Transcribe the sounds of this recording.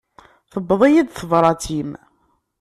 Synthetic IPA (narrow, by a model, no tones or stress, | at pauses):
θəbːəðˤijid̪θəvɾˤɑt͡s̪ʰim